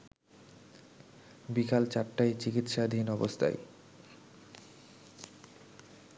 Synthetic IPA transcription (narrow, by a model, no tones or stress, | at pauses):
bikalt͡ɕaʈʈːajt͡ɕikit̪ʃad̪ʱinɔbost̪ʰa̰j